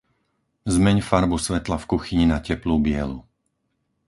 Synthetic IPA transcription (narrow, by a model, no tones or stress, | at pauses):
zmɛɲfaɾbusʋɛt̪lafkuxiɲinacɛpluːbɪɛlṵ